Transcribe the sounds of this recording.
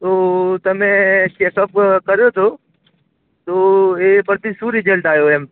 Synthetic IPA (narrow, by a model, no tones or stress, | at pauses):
t̪oːt̪ɐmẽt͡ʃekəp̚kəɾjot̪ʰo | t̪oepəɾt̪isuɾid͡ʒəlʈ̪aːjoem